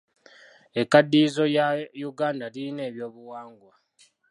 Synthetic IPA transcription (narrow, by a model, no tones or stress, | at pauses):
ekːadːiːzo̞jajuɡaːndaliine̞ːβjo̞ːβuwaːŋɡwa